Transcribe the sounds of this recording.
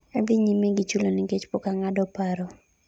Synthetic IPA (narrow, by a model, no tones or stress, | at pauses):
ad̪ɪɲimeɡɪt͡ʃulonɪɡet͡ʃpokaŋadɔpaɾɔ